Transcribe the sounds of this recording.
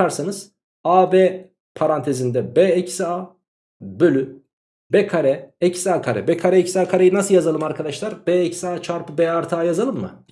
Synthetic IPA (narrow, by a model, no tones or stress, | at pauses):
aɾsanɯz̥ | aːbɛː | pʰaɾant̪ʰe̞zind̪ɛbɛːɛcsia | bølʲy | bɛkʰaɾɛɛcsaːkʰaɾɛ̰bɛkʰaɾɛɛcsaːkʰaɾejinasɯljazalˠɯmaɾkʰad̪aʃlˠaɾbɛːɛcsaːt͡ʃʰaɾpʰɯbɛaɾt̪ʰaːjazalˠɯmːɯ̰